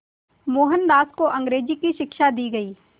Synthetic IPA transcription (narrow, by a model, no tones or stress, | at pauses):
moːɦənd̪aːskoʔɐ̃ŋɡɾeːd͡ʒikiʃɪkʃad̪iːɡɐiː